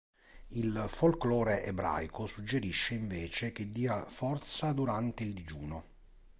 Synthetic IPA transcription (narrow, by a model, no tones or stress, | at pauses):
ilfolklɔːɾeʔebɾa̰jkʰosud͡ʒːeɾiʃːeiɱveːt͡ʃek̟ed̪ːiːafɔrt̪sad̪uɾant̪eild̪id͡ʒuːno